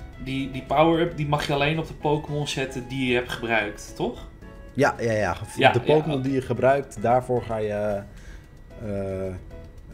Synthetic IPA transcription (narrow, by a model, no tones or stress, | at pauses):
didipawəɹøpdimaχjəalejnɔp̚dəpowkəmɔnsɛtədijəəɦɛptχəbrœɥkttɔx | jajaja̰fdəpowkəmɔndijəχəbrœɥk̚tdaːɹfoːɹχajə | ə